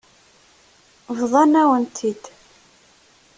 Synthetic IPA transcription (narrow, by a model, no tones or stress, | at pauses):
vðˤɑnæwənt̪ʰid̪